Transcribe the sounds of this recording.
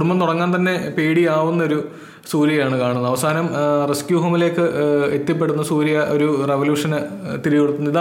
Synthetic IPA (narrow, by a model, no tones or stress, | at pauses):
mɐmt̪uɽɐŋːaːnt̪ɐnːe̞peːɽiaːʋunːɐo̞ɾu | suːɾijaːɳɨkaːɳunːɐʋɐsaːɦɐnɐmreskjuːɦɐmile̞ːkːɨet̪ːjɐp̬ːe̞ɽunːɐsuːɾijɐʔo̞ɾureʋɐljuːʂɐnɨt̪iɾijuɽut̪ːunːɐiða